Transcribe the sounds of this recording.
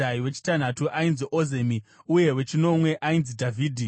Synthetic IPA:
aiwe̞t͡ʃi̥tan̤atuʔainziʔoze̞miuje̞we̞t͡ʃino̞mwe̞ʔainzidʱavʱiːdʱi

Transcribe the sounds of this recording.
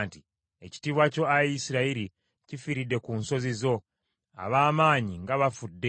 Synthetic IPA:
nti | eci̥tiːβwaco̞ajisiɾaiɾi | cifiɾidːe̞kunso̞zizo̞ | a̰βaːmaːɲiŋɡaβafudːe

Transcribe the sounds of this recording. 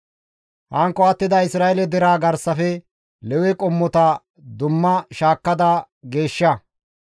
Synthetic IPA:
hɐŋkːɔɐt̪ːɪd̪ɐɪsɾaːɛlɛd̪ɛɾaːɡɐɾsɐfɛ | lɛwɛkʼɔmːɔt̪ɐ | d̪ʊmːɐʃaːkːɐd̪ɐ | ɡe̞ːʃːɐ

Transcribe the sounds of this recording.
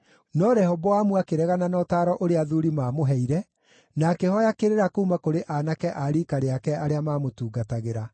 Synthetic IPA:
nɔɾɛhɔbɔwamuakeɾɛɣananɔtaːɾɔʔoɾeaðuɾimaːmoɦɛiɾɛ | nakehɔjakeɾeɾakoumakoɾeʔanakɛʔaɾiːkaɾeakɛʔaɾeamaːmotuːɡataɣeɾa

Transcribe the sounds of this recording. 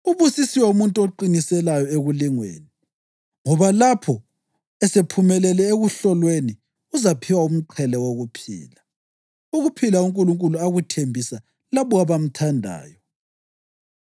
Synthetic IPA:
uβusisiwɛumuntʼuoǃinisɛlajɔeɣuliŋwḛːni | ŋɔβalapʰɔ | ɛsepʰumɛlɛlɛeɣuɬɔlweni | uzapʰiwaum̩ǃʰɛlɛwoɣupʰḭːla | uɣupʰilauŋkʼuluŋkʼuluaɣutʰembʱisa | laβɔɣaβam̩tʰandʱa̰ːjɔ

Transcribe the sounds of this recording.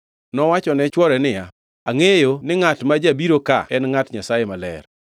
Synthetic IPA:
nɔwat͡ʃɔnɛt͡ʃwɔɾɛnɪja̰ | aŋejonɪŋatmad͡ʒabiɾoka̰ɛnŋatɲasajemalɛ̰r

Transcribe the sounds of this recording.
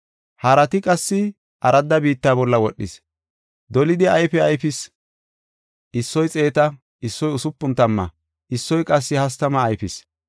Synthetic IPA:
hɐɾɐt̪ɪkʼɐsːɪ | ʔɐɾɐd̪ːɐbiːt̪ːaːbɔlːɐwɔɗːɪ̰s | d̪ɔlɪd̪ɪɐjfɛɐjfɪs | ɪsːɔjt͡sʼe̞ːt̪ɐ | ɪsːɔjʊsʊpːʊnt̪ɐmːɐ̰ | ʔɪsːɔjkʼɐsːɪhɐs̬t̪ɐmɐːjfɪs

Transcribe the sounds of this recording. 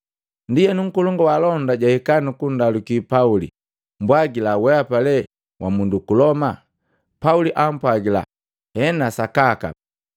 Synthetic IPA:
ndijɛnuŋ̩kɔlɔŋɡɔwalɔndaɟahikanukundalukipaulḭ | mbwaɡilawɛapalɛ | wʔamundukulɔma | pauliʔam̩pwaɡila̰ | hɛnasakaka̰

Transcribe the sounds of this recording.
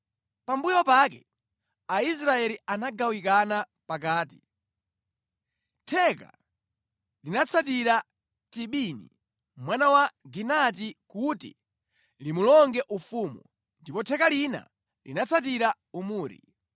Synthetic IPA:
pambujɔpakɛ̰ | ais̬ɾaɛlianaɡawikana | pak̬aːti | tʰɛka̰ | linat͡sʰat̬iɾa | tiɓinḭ | mwanawaɡinat̬ikutḭ | limulɔŋɡɛʔufumṵ | ndipɔtʰɛkalina̰ | lḭnat͡sʰat̬iɾa | umuːɾḭ

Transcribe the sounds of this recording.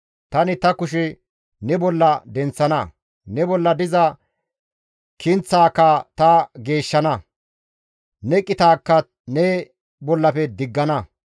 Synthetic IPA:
t̪ɐnɪt̪ɐkʊʃɛ | nɛbɔlːɐd̪ɛnt͡sːɐnɐ | nɛbɔlːɐd̪ɪzɐ | kʰɪnt͡sːaːkːɐt̪ɐɡe̞ːʃːɐnɐ | nɛkʼːɪt̪aːkːɐ | nɛ | bɔlːɐpɛd̪ɪɡːɐnɐ

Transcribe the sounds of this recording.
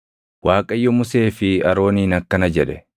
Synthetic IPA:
waːkʼɐjːɔmʊse̞ːfɪɐɾo̞ːniːnɐkːɐnɐd͡ʒɛᶑɛ

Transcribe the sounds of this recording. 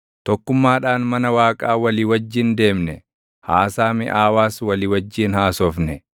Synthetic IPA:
t̪ɔkːʊmːaːᶑaːnmɐnɐwaːkʼaːwɐliːwɐd͡ʒːɪnd̪e̞ːmnɛ | haːsaːmɪ̰ʔaːwaːswɐliːwɐd͡ʒːiːnhaːsɔfnɛ

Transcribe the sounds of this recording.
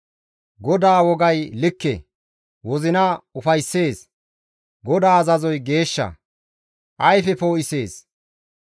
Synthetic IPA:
ɡɔd̪aːwɔɡɐjlɪkːḛ | wɔzɪnɐʊfɐjsːe̞ːs | ɡɔd̪aːɐzɐzɔjɡe̞ːʃːɐ̰ | ʔɐjfɛpoːʔɪse̞ːs

